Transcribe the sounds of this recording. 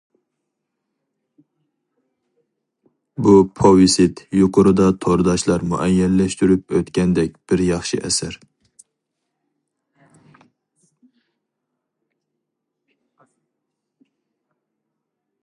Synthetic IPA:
bupʰowisɪt̪juqʰʊɾɨd̪ɑt̪ʰoɾd̪ɑʃlˠɑɾmuʔɛjːɛlːɛʃt̪yɾyp̚øt̪kʲɛnd̪ɛk̚ʲb̥ɪɾjɑχʃɨʔɛsæɾ

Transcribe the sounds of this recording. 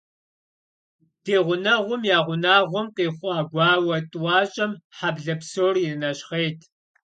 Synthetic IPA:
d̥eːʁʷʊnɐʁʷʊmjaːʁʷʊnaːʁʷʊmqeːχʷɑːɡʷɑːwɐtʼwɑːɕʼɐmħabɮɐpsoːriɨnɐɕχeːjtʰ

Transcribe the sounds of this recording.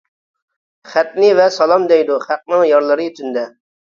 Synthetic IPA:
χæt̪̚nɪvɛsɑlˠɑmd̪ɛjd̪uχæq̚nɨŋjɑɾlˠɨɾɨyt̪ʰynd̪ɛ

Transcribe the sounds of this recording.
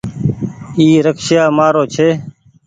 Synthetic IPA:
iːɾəkʃjaːmaːɾoːt͡ʃʰeː

